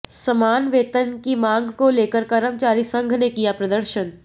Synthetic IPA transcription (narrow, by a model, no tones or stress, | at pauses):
sɐmaːnʋeːt̪ənkimãːŋɡkoleːkəɾkɐɾəmt͡ʃaːɾisɐ̃ŋɡʱnekijapɾɐd̪əɾʃən